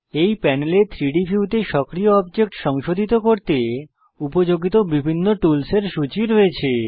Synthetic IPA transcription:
ejpɛnelet̪ʰɾiɖifʰiuʈeʃɔkɾioɔbd͡ʑek̚ʈʃɔŋʃod̪ʱit̪okoɾt̪e | upod͡ʑoɡit̪obibʱinːoʈulseɾʃut͡ɕiɾoet͡ɕʰe

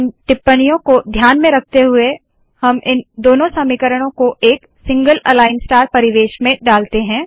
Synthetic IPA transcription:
mʈɪpːəɽ̃ijõkod̪ʱjaːnmẽɾɐk̚ʰt̪eɦʊe | hɐmɪnd̪oːnõsɐmikəɾəɽ̃õkoʔeːk | sɪ̃ŋɡəlɐlaːɪnsʈaːɾpɐɾɪʋeːʃmẽɖaːlt̪eɦɛ̃ː

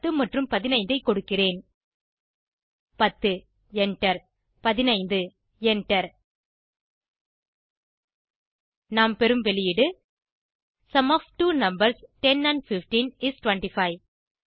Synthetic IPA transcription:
ɯmɐʈrɯmpɐðɪnɐɪnd̪ɐɪkːɔɽɯkːɪreːn | pɐt̪ːɯ | ɛɳʈɐɾ | pɐðɪnɐɪnd̪ɯ | ɛnʈɐɾ | naːmpɛɾɯmʋɛɭɪjɪɽɯ | sɐmofʈuːnɐmbɐɾsʈɛnɐnfɪfʈinɪsʈʋɐɳʈifɐɪ

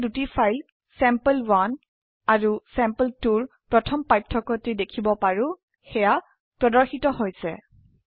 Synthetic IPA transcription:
dutifʰajl | sɛmplwan | aɹusɛmpəltuɹ | pɹɔtʰɔmpajtʰːɔkɔtedekʰibɔpaɹʊ | xɛja | pɹɔdɔɹxitɔɦojsɛ

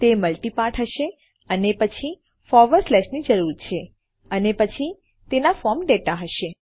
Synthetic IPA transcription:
t̪eməlʈipaʈɦəʃe | ənepət͡ʃʰi | fɔɾʋəɾflɛʃnid͡ʒəɾuɾt͡ʃʰe | ənepət͡ʃʰi | t̪enafɔɾmɖeʈaɦəʃe

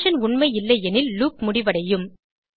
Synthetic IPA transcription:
ʃɐnʊɳmɐɪɪlːɐɪɛnɪlːuːkmʊɽɪʋɐɽɐjɯm

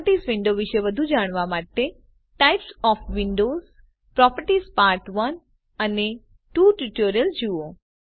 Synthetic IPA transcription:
ʈiːzʋɪ̃ɳɖoʋɪʃeʋəd̪ʱud͡ʒaːɽ̃ʋamaːʈe | ʈaɪpsɔːfʰʋɪ̃ɳɖoːz | pɾɔpəɾʈiːzpaːɾʈʋən | əne | ʈuːʈuʈoːɾijəld͡ʒuo

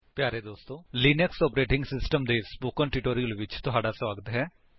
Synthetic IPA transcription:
pjaːɾeːd̪oːst̪õːliːnəksɔːpɾeːʈɪ̃ŋɡsɪsʈəmd̪eːspoːkəɳʈuʈoːɾijəlʋɪt͡ʃt̪ʊɦaːɖaːswaːɡət̪ɦɛː

